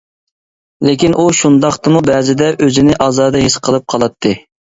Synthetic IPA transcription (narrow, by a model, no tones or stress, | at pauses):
lekʲinʔuʃund̪ɑqt̪ɨmubɛːzɪd̪ɛʔøzɪnɪʔɑːzɑːd̪ɨɦisqʰəlˠɨp̚qʰɑlˠɑt̪ʰːɨ